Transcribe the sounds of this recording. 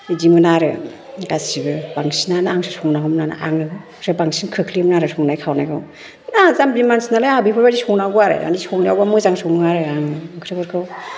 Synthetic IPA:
idimɯnaɾɯ̰ | ɡasibɯbaŋsinanaaŋsʰɯsɔŋnaɦɯmnana̰ʔaŋɯ | sɯbaŋsinkʰɯkʰlimnaɾɯsɔŋnajkʰawnajɡʰɯw | nazambimansinalajabipʰɯɾbadisɔŋnaɡɯaɾɯ̰a̰nisɔŋnawbamɯzaŋsɔŋɯaɾɯaŋɯkʰɾɯbɔɾkʰɯw

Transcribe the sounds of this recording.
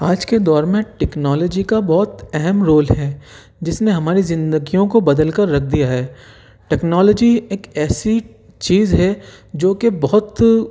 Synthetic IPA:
aːd͡ʒked̪ɔːɾmẽʈɛːknɔːlɔːd͡ʒikabɔɦʊt̪ɛɦɛmɾoːlɦɛː | d͡ʒɪsneɦɐmaːɾizɪ̃nd̪əɡijõkobɐd̪əlkɐɾːɐk̚ʰd̪ijaɦɛː | ʈɛːknɔːlɔːd͡ʒieːkɛːsi | t͡ʃiːzɦɛd͡ʒoːkebɔɦʊt̪

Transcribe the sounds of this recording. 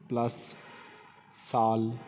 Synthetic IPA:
plɐs | saːl

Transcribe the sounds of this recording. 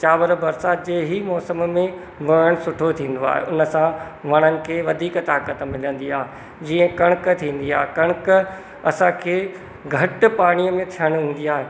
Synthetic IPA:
t͡ɕaːʋəɾbɐɾsaːd͡ʑeːɦimɔːsəmmẽ | boəɽ̃sʊʈʰot̪ʰĩːn̆d̪oa̰ːɦḛʔʊnəsãʋɐɽ̃ənɪ̆kʰeːʋɐd̪ʱiːkt̪aːkət̪̆mɪlə̃nd̪iaːɦe | d͡ʑiːə̃kɐɽ̃kt̪ʰĩːn̆d̪iaːɦekɐɽ̃k | ɐsãkʰeː | ɡʱɐʈ̆paːɽ̃ijəmẽt̪ʰijəɽ̃ɦũːn̆d̪iaːɦeː

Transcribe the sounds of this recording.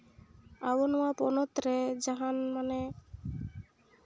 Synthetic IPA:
abɔnɔapɔnot̪ɾed͡ʒaɦanmane

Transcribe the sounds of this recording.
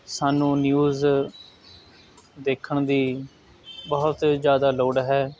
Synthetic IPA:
saːnũːnjuːz | d̪eːkʰːəɳd̪iː | bəɦʊt̪zjaːd̪aːloːɽɦɛː

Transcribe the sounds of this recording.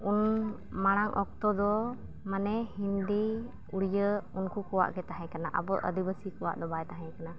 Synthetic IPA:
un | maɽ̃aŋʔɔk̚t̪ɔd̪ɔ | manɛhind̪i | uɽijəunkukɔwa̰ʔkɛt̪aɦɛ̃kanaʔa̰bɔʔə̰d̪ibəsikɔwa̰ʔd̪ɔbajt̪aɦɛkana

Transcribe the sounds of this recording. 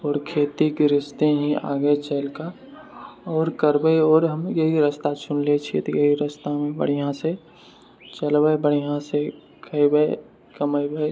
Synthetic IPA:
ɔːɾkʰeːt̪ikɾɪst̪eɦĩa̰ːɡəet͡ʃɛlka | ɔːɾkəɾbəeɔːɾɦəmjɐɦiɾəst̪at͡ʃʰʊnlet͡ʃʰiet̪ojɐɦiɾəst̪amẽbə̰ɽ̤ijãse | t͡ʃəlbəebəɽ̤ijãse | kʰəibə | kəməbə

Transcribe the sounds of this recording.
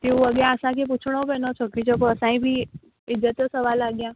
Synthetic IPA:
t̪eũʋəɡəɾãəsãkep̬ut͡ʃʰɽ̃obɛnɔt͡ʃʰəkit͡ʃʰɔp̬oəsãĩbʱiː | ɪzət̪əsəʋalːaːɡjãː

